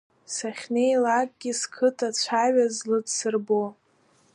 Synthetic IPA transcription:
saχʲnejlakʼɡ̥ʲiskʰɨtʰat͡ɕʷʰaɥazlɨdsɨrbo

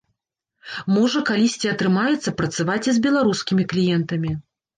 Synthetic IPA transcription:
mɔʐɐkalʲisʲt͡sʲiɐt̪ɾɨmajɛt̪sːɐpɾɐt̪savat͡sʲizʲbʲɛlˠaɾuskʲimʲiklʲijɛnt̪ɐmʲi

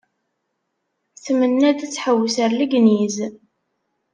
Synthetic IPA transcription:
θmənːæd̪æt͡sːħəwːəsəɾləɡniz

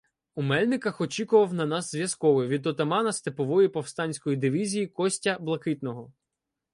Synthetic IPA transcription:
umɛlʲnɪkɐxɔt͡ʃʲikʊʋɐwnɐnɑzzʲʋjɐskɔʋɪʋʲid̪ɔt̪ɐmɑnɐst̪epɔʋɔjipɔwst̪ɑnʲsʲkɔjid̪ɪʋʲizʲijikɔsʲtʲɐblˠɐkɪt̪nɔɦɔ

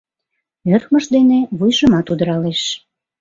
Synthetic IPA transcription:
ørxməʃd̪eneβujʒəmɑt̪ud̪əɾɑleʃ

